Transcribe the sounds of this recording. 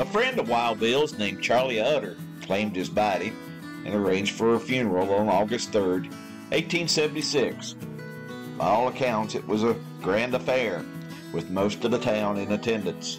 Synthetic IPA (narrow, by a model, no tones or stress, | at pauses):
əfɹɛ̃ndʌvwaɪlˠd̚bɪlˠznẽɪ̃mt͡ʃʰɑɹlˠiʌɾə˞ | kʰl̥ẽɪ̃md̚ɨzbɑɾi | ʔɨ̰̃nə˞ẽɪ̃nd͡ʒd̥fə˞əfjʉnə˞l̩ˠə̃n̩ɔɡɨst̪̚θɜ˞d | ʔeɪtʰːĩnsɛvn̩tisɪks | b̥aɪɔlˠəkʰãʊ̃ntsɨ̰ʔ̚wʌzə | ɡ̥ɹæ̃ndɨfɛɹ | wɨðmoʊstʌvðɨtʰãʊ̃nɨ̃nɨtʰɛ̃ndɨ̃ns